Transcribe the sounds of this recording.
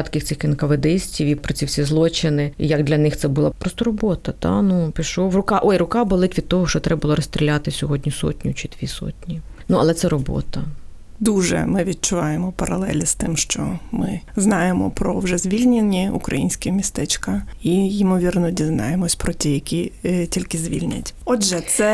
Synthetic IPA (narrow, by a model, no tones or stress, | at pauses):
t̪kʲɪxt̪sɪxkɪnkɐʋed̪ɪsʲtʲiwipɾɔt͡sʲiwsʲizlˠɔt͡ʃɪnɪjɐɡd̪lʲɐnɪxt̪sɛbʊlˠɑpɾɔst̪ɔɾɔbɔt̪ɐt̪ɑ̰nupʲiʃɔʋrʊkɑʔɔjɾʊkɑbɔlˠɪtʲʋʲid̪̚t̪ɔɦɔʃt͡ʃɔt̪ɾɛbʊlˠɔɾɔst̪ɾʲilʲat̪ɪsʲɔɦɔdʲnʲisɔ̰tʲnʲʊt͡ʃɪd̪̥ʋʲisɔ̰tʲnʲinuɐlˠɛt̪sɛɾɔbɔ̰t̪ɐ | d̪uʒɛ̰mɪʋʲit̪̚t͡ʃʊʋɑjemɔpɐɾɐ̰lˠɛ̰lʲist̪ɪmʃt͡ʃɔ̰mɪznɑjemɔ̰pɾɔwʒɛzʲʋʲilʲnʲenʲiṵkɾɐ̰jinʲsʲkɪmʲist̪ɛt͡ʃkɐijɪmɔʋʲirnɔdʲiznɑ̰jemɔsʲpɾɔtʲijɐkʲitʲilʲkɪzʲʋʲḭlʲnʲɐ̰tʲɔdʒɛt̪sɛ